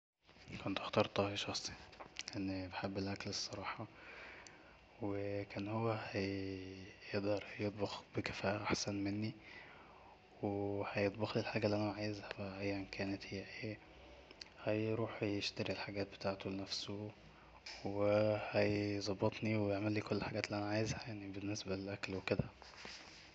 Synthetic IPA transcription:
kont̪ʔɑxt̪ɑɾˤt̪ˤɑːhiʃɑxsˤi̥lʔænːibeħebːelʔæklesˤːɑɾˤɑːħɑ | wekæːnhowːæhæj | jeʔd̪ɑɾˤjet̪ˤbɑxb̥ekæ̥fæːʔæʔaħsænmenːi | wehæjet̪ˤbɑxlilħaːɡæliʔænæʕaːjezhæbæʔæʔæjːænkʰæːnet̪hejːæʔeː | hæjɾuːħjeʃt̪æɾilħaɡæːt̪̚be̥t̪aːʕt̪olenæfso | wehæjzˤɑbːet̪ˤniwejeʕmælːiːkolːħaɡæːt̪liʔænæʕaːjezhæjaʕnibenːesbælelʔæklweked̪æ

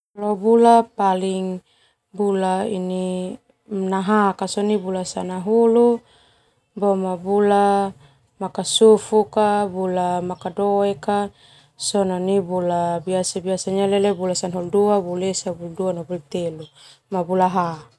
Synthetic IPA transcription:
lɔbulapaliŋ | bulaini | mnaɦakasɔnibulasanaɦulu | bɔmabula | makasufukabulamakadɔɛka | sɔnɔnibulabiasabiasaɲalelebulasanɦulduabulesabuluduanabulut̪elumabulaɦa

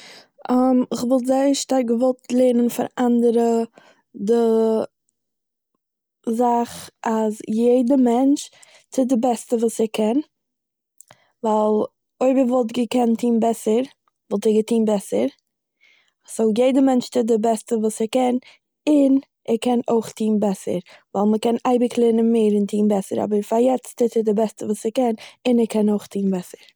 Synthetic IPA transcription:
amɪχvɔlˠtzaɪəʃtaɾkɡəvɔlˠtlˠeːnənfa̰ɾandəɾə | dɪ | zaχazjeɪdəmɛnt͡ʃ | tɪdɪbɛstəvuːsɛkʰɛn | valˠ | oɪbəvɔlˠtɡəkɛntʰiːnbɛsəɾ | vɔlˠtɛɡətiːnbɛsəɾ | soʊjeɪdəmɛnt͡ʃtɪt̚dɪbɛstəvuːsɛkɛn | ɪn | ɛɾkɛnoɪχtʰiːnbɛsə̰ɾvaɪlˠməkɛnaɪbɪklˠɛnənmeɪɾɪntʰiːnbɛsəɾa̰bəɾfaɾjɛt͡stɪtɪdɪbɛstəvuːsɛkɛnɪnɛkʰɛnoʊχtʰiːnbɛsəɾ

